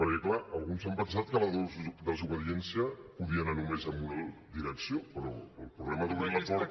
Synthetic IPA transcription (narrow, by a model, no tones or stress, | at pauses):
pəɾkɛklaəlˠɣunzəmpənsat̪̚kələðozd̪əzuβ̞əðiɛnsiəpuðiənanumezəmbunəðiɾəksiopəɾɔːlˠpɾuβlɛməðuβɾilət̪ɔɾ